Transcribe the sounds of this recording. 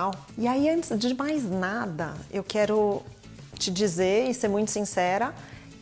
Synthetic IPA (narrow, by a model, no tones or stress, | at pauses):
aw | ɪaiɐ̃nt͡ʃɪzd͡ʒɪmajznad̪ɐ̰ewkɛɾʊ | t͡ʃɪd͡ʒizeɾɪseɾmũj̃t̪ʊ̥sĩsɛɾɐ